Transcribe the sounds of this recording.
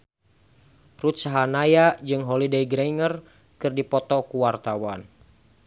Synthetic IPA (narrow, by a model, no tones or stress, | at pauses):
rut̪̚saɦanajad͡ʒɨŋɦɔlidejɡɾejŋər | kɨrdipɔt̪ɔkuwart̪awan